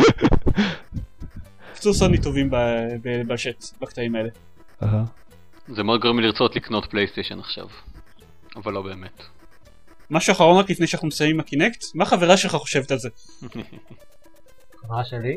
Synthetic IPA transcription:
kki̥t͡suʁsonitovimbabebalʃet̪bakt̪aimae̞le | aɦa | zemeod̪̚ɡoʁimliʁt͡sotlikno̞t̪plejst̪eʃenaχʃa̰v | avalːo̞be̞ːmet | maʃuaχaʁo̞nʁaklifnejʃeanaχnumesajmimakinekt̪maaχaveʁaʃe̞lχaχo̞̥ʃe̞vetalze | χavʁaʃeli

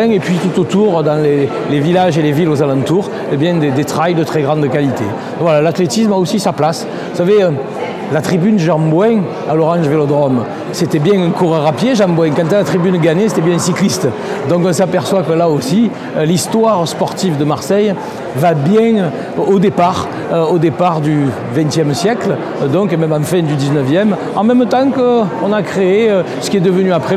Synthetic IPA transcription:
ɛ̃ŋepɥit̪ut̪ot̪uʁd̪ɑ̃le | levilaʒelevilozalɑ̃nt̪uʁ | ebjɛ̃d̪ed̪et̪χajd̪ət̪χɛɡʁɑ̃d̪əkalit̪e | vwalalat̪let̪ismaosisaplas | vusaveø | lat̪χibynəʒɑ̃bwɛ̃ | alɔʁɑ̃ʒvelɔd̪ʁɔm | set̪ɛbjɛ̃ɛŋkuʁəʁapjeʒɑ̃bwɛ̃ŋkɑ̃nt̪alat̪χibynɡaɲese̥t̪ɛbjɛ̃ɛ̃nsiklist̪ə | d̪ɔ̃ŋkɔ̃sapɛʁswakəlaosi | list̪waʁspɔʁt̪ivd̪əmaʁsɛj | vabjɛ̃ | od̪epaʁ | øod̪epaʁd̪y | vɛ̃t̪jɛmsjɛkl | d̪ɔ̃ŋkemɛmɑ̃fɛ̃d̪yd̪iznəvjɛm | ɑ̃mɛmt̪ɑ̃kəɔ̃nakχeeøsə̥kʲiɛd̪əvənyapχe

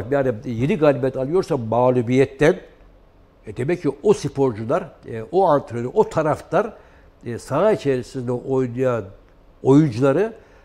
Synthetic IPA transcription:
jaːnije̞niɡaːlʲibɛt̪ʰalˠɯjo̞ɾsamaːlʲˠubijɛt̪ːæn | d̪emɛcʰːiosipʰo̞ɾd͡ʒulˠaɾoant̪ʰɾenuʔo̞t̪ʰaɾaft̪aɾ | sait͡ʃʰeɾisiznɛʔo̞jnujan | o̞jund͡ʒulˠaɾɯ

